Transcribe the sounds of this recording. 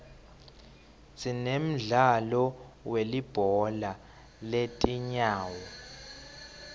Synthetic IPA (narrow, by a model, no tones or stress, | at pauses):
zinem̩ɮalɔwelib̥ʱɔla | letʼiɲaːwɔ